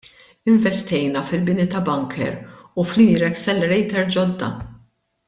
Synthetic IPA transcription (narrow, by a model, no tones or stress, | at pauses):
ɪɱvɛst̪ɛjnɐfɪlbɪnit̪ɐbɐŋkʰɛ̰ɾuflinɾɛkst̪ɛlɛɾɛjt̪ɛɾd͡ʒɔd̪ːɐ̰